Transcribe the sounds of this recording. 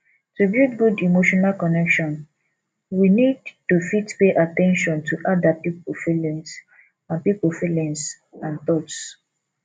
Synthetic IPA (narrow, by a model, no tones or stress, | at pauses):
tubjutɡudimoʃɔnalkɔnɛkʃɔ̃n | winidtufitpeʔatɛ̃nʃɔ̃ntʰuʔadapipofilɛ̃ns | ãnpipofilɛ̃ns | ãnθɔts